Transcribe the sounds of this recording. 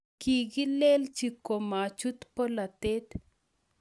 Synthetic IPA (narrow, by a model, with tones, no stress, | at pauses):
ki˨ɡɪ˦le˦lt͡ʃi˨ko˨ma˨t͡ʃu˦t̪pɔ˦la˨t̪e˦t̪